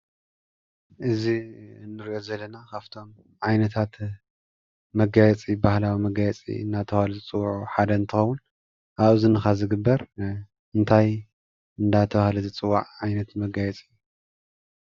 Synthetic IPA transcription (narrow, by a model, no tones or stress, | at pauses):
ʔɨziɨnːɨɾiʔjo̞zɐlːɐnakʰaft̪ʰo̞m | ʕajnɐt̪ʰat̪ | mɐɡajɛt͡sʼibahlawimɐɡajɛt͡sʼḭɨnːat̪ʰɐβahlɨzɨt͡sʼɨwːʕuħad̪ɐɨnt̪ʰɨxɐwːʊn | ʔaβɨzɨnɨxazɨɡɨbːɐɾ | ɨnt̪ʰaj | ɨnd̪at̪ʰɐβahlɐzɨt͡sʼɨwːaʕʕajnɐt̪mɐɡajɛt͡sʼɨjːu